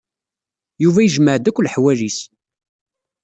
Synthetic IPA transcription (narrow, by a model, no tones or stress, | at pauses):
juvæjəʒməʕd̪ækʷːlħwælis